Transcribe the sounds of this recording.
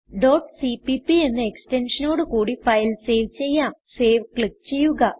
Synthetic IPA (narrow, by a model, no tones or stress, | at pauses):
ɖo̞ːʈsipipie̞nːɨekste̞nʂɐnoːɽɨkuːɽifɐjlse̞ːʋt͡ɕe̞jːaːmse̞ːʋkɭik̚ːt͡ɕe̞jːuɣɐ